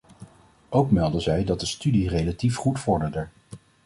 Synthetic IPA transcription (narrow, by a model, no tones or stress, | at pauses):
owkmɛlˠdəzɛjdɑt̚dəstydirejlatifχutfɔɹdəɹdəɹ